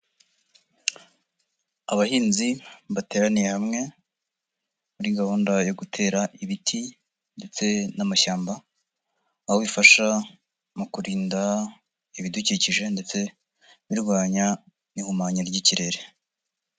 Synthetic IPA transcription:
aβahiːnziβate̞ːɾanije̞hamŋe̞ | muɾiɡahoːndajo̞ɡutʰe̞ːɾaʔiβitʰi | nde̞t͡se̞namaʃaːmbaː | hoβifaʃa | mukuɾiːnda | iβiduciciʒe̞nde̞t͡se̞ | βiɾɡwaːɲa | nihumaːɲaɾɟiciɾe̞ɾe

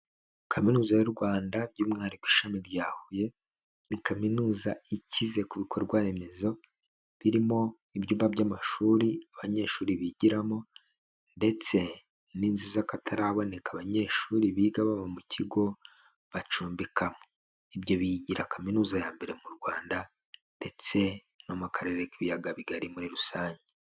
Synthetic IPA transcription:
kʰaminuːzajuɾɡwaːndabɟuːmŋaːɾikwiːʃamiɾjaːhuje̞ | nikaminuːzaicize̞kuβikʰoɾɡwaɾe̞me̞zo̞ | βiɾimo̞ | ibjuːmbabjaːmaʃuːɾiaβaɲe̞ːʃuːɾiβiɟiɾamo̞ | nde̞t͡se̞ | niːnzizakatʰaɾaβo̞ne̞kaβaɲe̞ːʃuːɾiβiːɡaβamomuciɡo̞ | βat͡ʃuːmbikamo̥ | ibjo̞βiɟiɾakaminuːzajaːmbe̞ɾe̞muɾɡwaːnda | nde̞t͡se̞ | nomukʰaɾe̞ɾekiβijaɡaβiɡaɾimuɾiɾusaːɲɟe

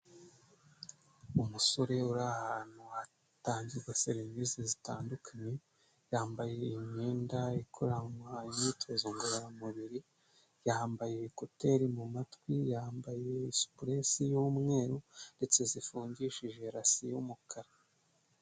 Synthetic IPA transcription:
umuso̞ɾe̞uɾahaːn̥hua | taːɲziɾɡwaseɾivisezitaːndukʰaɲe̞ | jaːmbaje̞iɲeːndaikʰoɾamwajitʰozoŋɡuɾaɾamuβiɾi | jaːmbajeβikote̞ɾimumatwijaːmbaje̞isu̥pɾesijuːmŋe̞ːɾunde̞t͡se̞zifuːɲɟiʃiʒe̞ɾasijumukʰaɾa

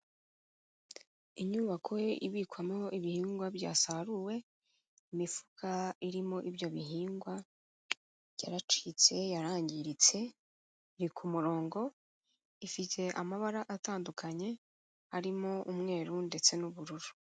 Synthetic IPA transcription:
iɲuːβakʰoḭβiːkwamo̞ʔiβihiːŋɡwabɟa̰ːsaɾuwe̞ | imifu̥kʰaiɾimo̞ʔibjo̞βiɦiːŋɡwa | ja̰ɾat͡ʃit͡se̞jaɾaːɲɟiɾit͡se̞ | ɾikʰumuɾo̞ːŋɡo̞ | ifite̞ʔamaβaɾaʔataːndukʰaɲe̞ | haɾimoʔumŋe̞ːɾunde̞t͡se̞nuβuɾuɾu

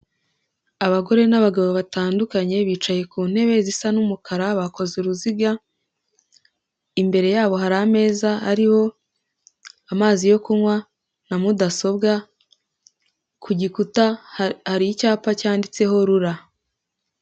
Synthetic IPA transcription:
aβaɡo̞ɾe̞naβaɡaβoβataːndukaɲe̞βiːt͡ʃaje̞kuːn̥he̞βe̞zisanumukʰaɾaβako̞zuɾuziɡa | imbe̞ɾe̞jaːβo̞ɦaɾame̞ːzaaɾiho̞ | amaːzijo̞kunwa | namudaso̞bɡa | kʰuɟikutahaɾijicaːpacaːndit͡se̞ɦo̞ɾuɾa

